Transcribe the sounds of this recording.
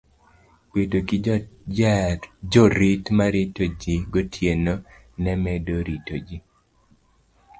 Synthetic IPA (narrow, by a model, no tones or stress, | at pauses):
petoki | d͡ʒɔɾitmaɾitod͡ʒiɡotʰjeno | nɛmɛdoɾitod͡ʒi